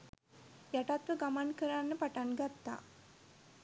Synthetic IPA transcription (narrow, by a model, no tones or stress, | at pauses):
jaʈat̪ʋəɡamankəɾanːəpaʈanɡat̪ːa̰ː